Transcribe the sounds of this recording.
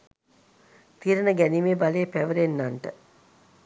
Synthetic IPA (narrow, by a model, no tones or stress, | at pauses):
t̪iɾənəɡænimebaleːpæʋəɾenːanʈə